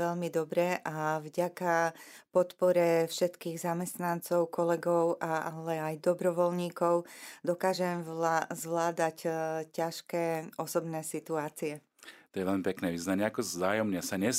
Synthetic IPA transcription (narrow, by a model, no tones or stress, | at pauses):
ɛʎmid̪ɔbɾɛʔavɟakapɔt̪pɔɾɛfʃɛt̪kiːɣzamɛst̪nant͡sɔʊkɔlɛɡɔʊʔaalɛajd̪ɔbɾɔʋɔlɲiːkɔʊd̪ɔkaːʒɛmzʋlaːd̪accaʃkɛːɔsɔbnɛːsit̪uaːt͡siɛ | t̪ɔjɛʋɛʎmipɛknɛːʋiːznaɲɪɛakɔzaːjɔmɲɛsaɲɛ